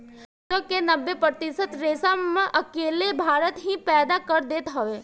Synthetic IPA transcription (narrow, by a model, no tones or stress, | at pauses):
t̪əkːenɐbːepɾət̪ɪsət̪ɾeːsamẽʔɐkeːlebʱaːɾət̪ɦipɛːd̪akɐɾd̪eːt̪ɦɐʋeː